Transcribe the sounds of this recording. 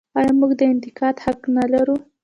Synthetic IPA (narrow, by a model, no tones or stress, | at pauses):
ajamuɡd̪əɪnt̪ɪkɑt̪haknalaɾu